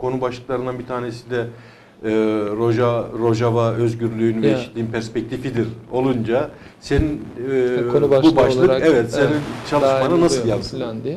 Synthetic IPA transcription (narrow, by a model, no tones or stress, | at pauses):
kʰo̞nubaʃlˠɯklˠaɾɯnd̪anbit̪ʰaːnesid̪ɛ | ɾoʒaɾo̞ʒavaø̞zɟyɾlʲyynvejeʃit̪lʲiːinpʰæɾspɛc̚t̪ʰifid̪iɾo̞lˠund͡ʒa | se̞nin | bubaʃlˠɯɛvɛt̪ssenint͡ʃʰalˠɯʃmananasɯlˠjalɯ